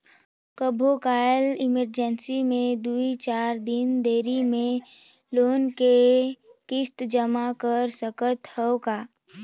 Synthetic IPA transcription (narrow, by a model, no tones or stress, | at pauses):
kəbʱokaːjəlɪməɾd͡ʒənsimẽd̪uit͡ʃaːɾd̪ɪnd̪eːɾimẽ | loːnkekɪst̪d͡ʒəmakəɾsəkət̪həokaː